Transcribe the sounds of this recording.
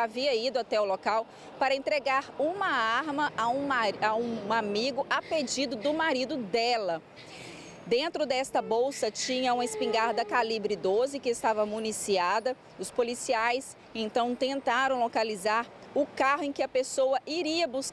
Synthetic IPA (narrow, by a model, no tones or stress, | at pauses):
aviɐid̪ʊat̪ɛʊlokaw | paɾɐẽnt̪ɾeɡaɾũmɐaɾmɐaũaũamiɡʊʔaped͡ʒid̪ʊd̪ʊmaɾid̪ʊd̪ɛlɐ | d̪ẽnt̪ɾʊd̪ɛst̪ɐbowsɐt͡ʃĩɲɐũmɐɪspĩŋɡaɾd̪ɐkalibɾɪd̪ozɪkɪːst̪avɐmunisiad̪ɐ | ʊspolisiajs | ẽt̪ɐ̃w̃t̪ẽnt̪aɾɐ̃w̃lokalizaɾ | ʊkaɦʊẽkɪɐpesowɐʔiɾiɐbus